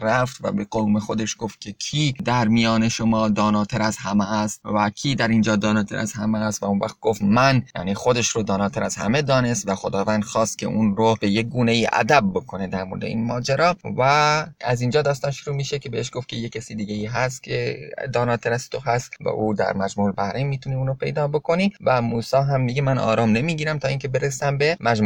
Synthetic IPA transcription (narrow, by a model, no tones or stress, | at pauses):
ɾæft̪væ̰beɡome̞xo̞d̪e̞ʃɡo̞ft̪̚kʲʰe̞kʰid̪æɾmijɒːne̞ʃo̞mɒːd̪ɒːnɒːt̪ʰeɾæzhæmeæst̪vækʲʰiːd̪æɾind͡ʒɒːd̪ɒːnɒːt̪ʰeɾʔæ̰z̥hæmeːst̪væunvæ̰xt̪̚ɡo̞ft̪mænjæ̰ːnixo̞d̪e̞ʃɾod̪ɒːnɒːt̪ʰæɾæz̥hæ̰me̞d̪ɒːne̞st̪væxo̞d̪ɒːvænd̪̥xɒːst̪̚kʰʲe̞̰ʔunɾob̥e̞je̞ɡuːne̞jiʔæ̰d̪æb̚ːo̞kʰo̞ne̞d̪æɾmo̞ɾd̪e̞̰ḭːnmɒːd͡ʒeɾɒːvææziːnd͡ʒɒːd̪ɒːst̪ɒːnʃoɾuːmiːʃecʲʰe̞beheʃɡoft̪kʰcʰe̞jecʰːesiːd̪iːɡejiːɦæs̬t̪kʰed̪ɒːnɒːt̪ʰeɾæst̪ʰoɦæst̪væ̰ʔuːd̪æ̰ɾmæd͡ʒmuːlbæhɾʔemːiːt̪ʰuniuːnopʰe̞̰jd̪ɒːbo̞kʰo̞nivæmuːsɒːɦæmmiɡemænʔɒ̰ːɾɒːmne̞miːɟiːɾæmt̪ʰɒːincʰe̞be̞ɾesæmbe̞mæd͡ʒmuː